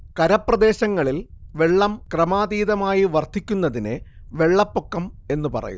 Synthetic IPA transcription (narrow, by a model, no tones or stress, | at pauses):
kɐɾɐpːrɐd̪e̞ːɕɐŋːɐɭilʋe̞ɭːɐmkrɐmaːd̪iːðɐmaːjiʋɐrt̪ʰːikʲːunːɐðinɨ | ʋe̞ɭːɐpːo̞kːɐme̞nːupɐ̰rɐ̰jṵ